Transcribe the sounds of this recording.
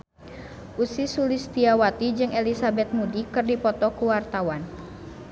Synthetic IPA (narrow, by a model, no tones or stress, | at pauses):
ʔusisulist̪iawat̪id͡ʒɨŋɛlisabɛt̪̚mudikɨrdipɔt̪ɔkuwart̪awan